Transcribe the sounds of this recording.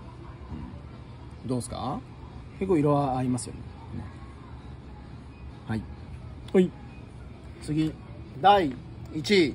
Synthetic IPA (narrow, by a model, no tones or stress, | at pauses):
ɯ̰̃ɴ | d̪oːsɨ̥ka̰ | kekːoiɾoβaːimasɨjo̰nḛ | haihoi | t͡sɨɡʲid̪aiːt͡ɕi